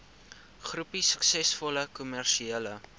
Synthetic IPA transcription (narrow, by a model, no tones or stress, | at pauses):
χrupisə̥ksɛsfɔləkumærʃiɛlə